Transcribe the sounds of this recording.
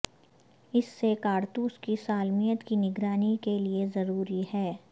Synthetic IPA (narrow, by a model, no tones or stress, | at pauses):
ɪsːekaːɾt̪uːskisaːlmijət̪kinɪɡɾaːnikeliezɐɾuːɾihɛː